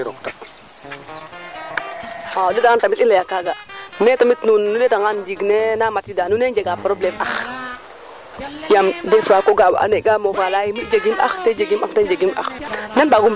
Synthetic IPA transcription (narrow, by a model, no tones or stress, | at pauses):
ɾoktak | adedaŋantamitilajakaɡanɛtamitnunːunetaŋandiɡnenamatidanuned͡ʒeɡapɾoblɛmax | jamdefakoɡab̰ʔa̰neɡamofalajimitd͡ʒeɡimʔa̰xted͡ʒeɡimaxtend͡ʒeɡimʔa̰xnɛnbaɡum